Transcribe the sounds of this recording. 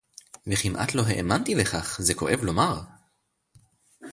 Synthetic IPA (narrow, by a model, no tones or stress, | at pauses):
veχimʔa̰t̪lo̞ɦeʔemant̪ileχaχzeko̞ʔe̞vlo̞maʁ